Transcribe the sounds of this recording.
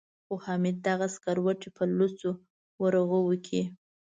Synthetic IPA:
xohɑmid̪̚ːaɣaskaɾwəʈepəlut͡so | wəɾəɣəwəkʰi

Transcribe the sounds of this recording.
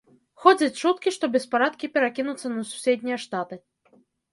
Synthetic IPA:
xɔd͡zʲɐt͡sʲt͡ʂut̪kʲiʂt̪ɔbʲɛspaɾat̪̚kʲipʲɛɾakʲinut̪sːɐnɐsu̥sʲed̪ʲnʲijɐʂt̪at̪ɨ

